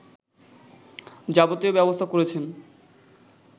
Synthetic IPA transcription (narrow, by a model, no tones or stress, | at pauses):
d͡ʑabot̪eobɛbost̪ʰakoɾet͡ɕʰen